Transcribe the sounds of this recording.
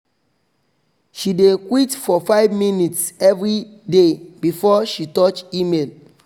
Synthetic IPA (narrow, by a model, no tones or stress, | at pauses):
ʃidekwitfɔfaɪvminitsɛvɹidebifɔʃitɔt͡ʃimel